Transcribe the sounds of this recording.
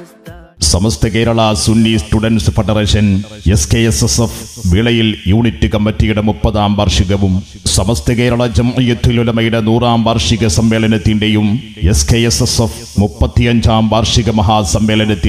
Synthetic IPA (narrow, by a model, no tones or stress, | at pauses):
sɐmɐst̪ɐkeːɾɐɭɐsunːisʈuɖɐnsɨfɐɖɐreːʂɐneskeesesefʋiɭɐjiljuːɳitːɨkɐmːɐtːijuɽemupːɐðaːmbaːrʂiɣɐʋum | sɐmɐst̪ɐkeːɾɐɭɐd͡ʑɐmʔɐjut̪ʰːululɐmɐjuɽɐnuːraːmbaːrʂiɣɐsɐmʋeːlɐnɐt̪ːindejum | eskeesesef | mupːɐt̪ːijɐɲd͡ʑaːmʋaːrʂiɣɐmɐɦaːsɐmːeːlɐnɐt̪ːi